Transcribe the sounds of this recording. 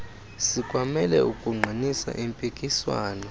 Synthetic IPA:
sikʼwamɛlɛukʼuŋ͡ǃʱinisa̰ʔimpʼikʼiswa̰ːnɔ

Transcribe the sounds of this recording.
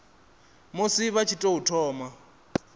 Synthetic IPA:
mosiβat͡ʃʰitʼoutʰɔːma

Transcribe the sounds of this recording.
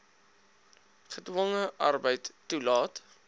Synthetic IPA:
χədwɔŋəʔɐ̰rbəjtːulɑːt

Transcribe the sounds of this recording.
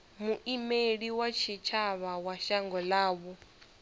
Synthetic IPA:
muʔimeɺiwat͡ʃʰit͡ʃʰaβawaʃaŋɡɔlaːβu

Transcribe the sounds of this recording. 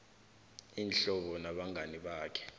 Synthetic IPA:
iːnɬɔɓɔnaɓaŋʱaniɓaːkʰɛ̥

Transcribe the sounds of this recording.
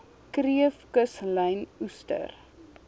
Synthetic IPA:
kriəfkəsləjnustə̰r

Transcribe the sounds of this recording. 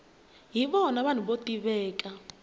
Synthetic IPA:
ɦiɓɔnaβan̤uɓotiβɛːk̬ʼa

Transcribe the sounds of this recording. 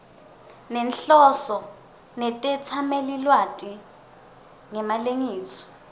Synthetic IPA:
nɛnɬɔsɔ | nɛtʼɛt͡sʰamelilwatʼi | ŋɛmaleŋiːsɔ̥

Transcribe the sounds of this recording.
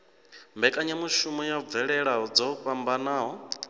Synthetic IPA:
mbɛkʼaɲamuʃumɔjab̪vɛɺɛɺaɦɔd͡zɔɸambanaːɦɔ

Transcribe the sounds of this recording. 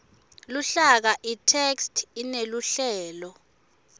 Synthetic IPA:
luɬak̬aʔitʰekstʰineluɬɛːlɔ

